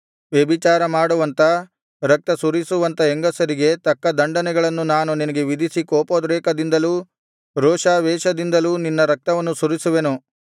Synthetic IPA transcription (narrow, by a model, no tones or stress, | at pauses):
ʋjɐbit͡ʃaːɾɐmaːɽuʋɐnt̪ɐ | ɾɐk̚t̪ɐsuɾisuʋɐnt̪ɐeŋɡɐsɐɾiɡe̞t̪ɐkːɐd̪ɐɳɖɐnɛɡɐɭɐnːunaːnuninɐɡe̞ʋid̪ʱisikoːpoːd̪ɾɛːkɐd̪ind̪ɐluː | ɾoːʂaːʋɛːʃɐd̪ind̪ɐluːninːɐɾɐk̚t̪ɐʋɐnːusuɾisuʋenu